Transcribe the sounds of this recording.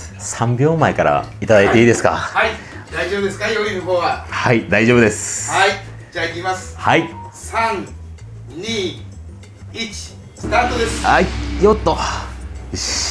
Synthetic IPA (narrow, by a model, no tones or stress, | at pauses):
sãmbʲo̞ːmaekaɾa̰it̪ad̪ait̪e̞iːd̪e̞sɨ̥ka̰hai | d̪aiʑoːbɯd̪eskajoɾʲinɯɦoːɡahaid̪aiʑo̞ːbɯd̪e̞sɨ̥ai | d͡ʑaikʲimasɨ̥haisãŋ | ɲʲiː | it͡ɕi̥ | sɨ̥t̪aːt̪od̪esɨ̥aijot̪ːo